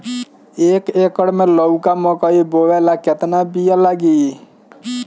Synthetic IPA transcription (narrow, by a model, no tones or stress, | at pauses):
eːkekəɽmẽlɔwkamɔkɔiboʋelaket̪nabijalaɡi